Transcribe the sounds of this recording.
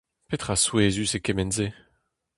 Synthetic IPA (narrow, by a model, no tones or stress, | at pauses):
pet̪χaswezysekɛmɛnze